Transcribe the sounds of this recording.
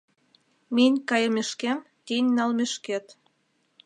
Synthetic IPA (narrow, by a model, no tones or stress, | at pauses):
menʲkɑjəmeʃkem | t̪enʲnɑlmeʃket̪